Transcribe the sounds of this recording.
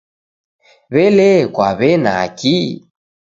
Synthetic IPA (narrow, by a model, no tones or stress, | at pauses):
βɛlɛkwaβɛna̰ki